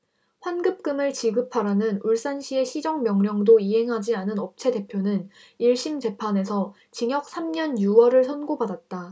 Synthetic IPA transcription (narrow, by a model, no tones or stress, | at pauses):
ɸwanɡɯp̚k͈ɯmɯɭt͡ɕiɡɯpʰaɾanɯnuɭs͈anɕʰie̞ɕʰid͡ʑʌŋmjʌŋɲjʌŋdoiɦe̞ŋɦad͡ʑianɯnʌp̚t͡ɕʰe̞de̞pʰjonɯn | iɭɕ͈imt͡ɕe̞pʰane̞sʰʌ | t͡ɕiŋjʌk̚s͈ʰamɲʌnjuwʌɾɯɭsʰʌnɡobadat̚t͈a